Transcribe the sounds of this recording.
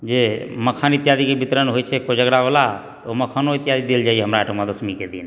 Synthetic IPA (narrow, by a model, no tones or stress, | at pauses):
d͡ʒeməkʰanit̪jad̪ikebit̪ɾənɦojt͡ʃʰɛkod͡ʒəɡɽabola | t̪oməkʰanoit̪jad̪id̪eld͡ʒaijɛɦəmɾaːʈomad̪əsmiked̪ḭn